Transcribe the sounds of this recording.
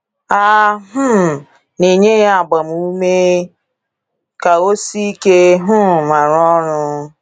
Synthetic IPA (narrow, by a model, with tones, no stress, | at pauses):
a˦ɦʊ˦˨ | ni˨ɲe˦ja˦a˨ɡ͡ba˨m̩˨u˦me˦ | ka˨o˦si˦i˦ke˦ɦʊ˦˨ma˨ɾɔ˦ɾʊ˦